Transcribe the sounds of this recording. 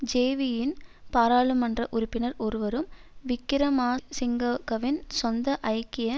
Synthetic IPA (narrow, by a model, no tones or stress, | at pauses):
d͡ʒeːʋɪjɪnpaːɾaːɭɯmɐndrɐʔʊɾʊpːɪnɐɾɔɾɯʋɐɾɯmʋɪkːɪɾɐmaːsɪŋɡɐkɐʋɪnsɔnd̪ɐʔɐjkːɪjɐ